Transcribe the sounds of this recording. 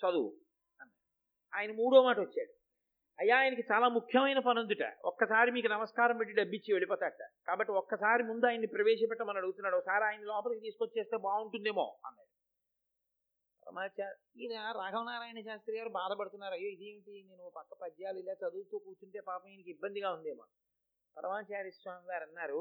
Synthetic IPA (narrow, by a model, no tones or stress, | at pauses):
t͡ʃɐd̪u | ɐnːa̰ːɽu | aːjɐnɐmuːɽoːɐmaːʈɐot͡ʃːaːɽu | ɐjːaːjnɐkit͡ʃaːlaːmukʰjɐmɐjnɐpɐnund̪uʈa̰ɔ̰kːɐsaːɾimiːkunɐmɐskaːɾɐmʋeʈːiɖɐbːit͡ʃːiʋe̞ɭipɔːt̪aːʈːa̰kaːbɐʈːiɔkːɐsaːɾimund̪uaːjɐnːipɾɐʋeːʃɐpɛʈːɐmːɐnɐnɐɽuɡut̪unːaːɽɔkːɐsaːɾiaːjɐnːilɔːpɐlkit̪iːsuko̞t͡ʃːuːt͡ʃe̞ːst̪e̞ːbaːuɳʈund̪eːmo̞̰ːɐ̰nːa̰ːɽu | pɐɾɐ̰maːt͡ʃaːɾ | iːnɐɾaːɡʱɐʋnaːɾaːjɐnɐʃaːst̪ɾiːɡaːɾubaːd̪ɐpɐɽut̪unːaːɾuɐjːoːid̪eːiʈineːnupɐkːɐpɐd͡ʒjaːlilaːt͡ʃɐd̪uːt̪oːkuːt͡ʃuɳʈe̞ːpaːpɐmajnikibːɐnd̪iɡaːund̪eːmo̰ː | pɐɾɐ̰maːt͡ʃaːɾisʋaːŋɡaːɾɐnːaːɾu